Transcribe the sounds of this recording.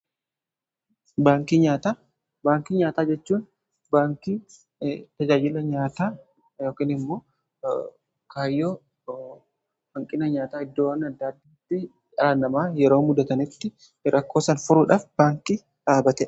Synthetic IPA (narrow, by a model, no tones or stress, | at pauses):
baːŋkiɲaːt̪aː | baːŋkiːɲaːt̪aːd͡ʒɛt͡ʃːuːn | baːŋki | t̪ɐd͡ʒaːd͡ʒɪlɐɲaːt̪aː | jo̞ːkiːnɪmːoː | kaːjːoː | hɐŋkʼɪnɐɲaːt̪aːɪd̪ːoːwɐnɐd̪ːaːd̪ːit̪ːɪ | ʔɐanɐmaːjɛɾoːmʊd̪ɐt̪ɐnɪt̪ːɪ | ɾʔɐkːo̞ːsɐnfʊɾʊᶑaːfbaːŋki | ᶑaːbɐt̪ɛ